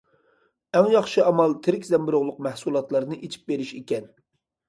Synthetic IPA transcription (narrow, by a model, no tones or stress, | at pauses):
ɛŋjɑχʃɨɑmɑlˠt̪ʰɪɾɪkʲzɛmbɪɾʊʁlˠʊq̚mɛhsulˠɑt̪lˠɑɾnɨʔet͡ʃʰi̥p̚beɾɪʃekʲɛn